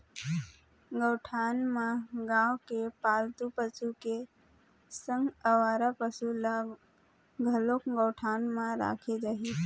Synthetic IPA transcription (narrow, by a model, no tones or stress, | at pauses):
ɡəːʈʰaːnmãɡãːwkepaːlt̪upət͡ʃuke | sə̃ŋɡəʋaːɾapəsula | ɡʱəlokɡəʊʈʰaːnmãɾa̰ːkʰed͡ʒəɦi